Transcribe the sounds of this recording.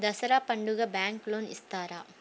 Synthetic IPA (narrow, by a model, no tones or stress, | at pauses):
d̪ɐsɐɾaːpɐɳɖɯɣɐbaːŋkloːnɪst̪aːɾa̰ː